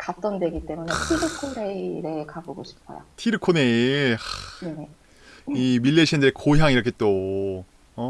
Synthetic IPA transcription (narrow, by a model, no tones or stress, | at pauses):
kat͈ʌndwe̞ɡit͈e̞mune̞tʰiɾɯkʰoneɾe̞kaboɡoɕʰi̥pʰʌ̰jo̰tʰiɾɯkʰoneanene | imilːeɕʰʌndɯɾekoɦjaŋiɾʌkʰe̞t͈o | ʌ